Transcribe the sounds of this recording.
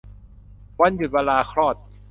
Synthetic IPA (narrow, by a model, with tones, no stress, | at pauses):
wa˧˥˨nju˨t̪̚waː˧laː˧kʰɾɔː˥˩t̪̚